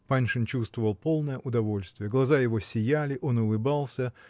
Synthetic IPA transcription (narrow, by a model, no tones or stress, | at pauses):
panʲʂɨnt͡ɕust̪vəvəlˠpo̞lˠnəjəʔʊd̪ɐvo̞lʲst̪vʲɪjəɡlˠɐzajɪvo̞sʲɪjælʲɪʔo̞nʊlˠɨbalˠsʲə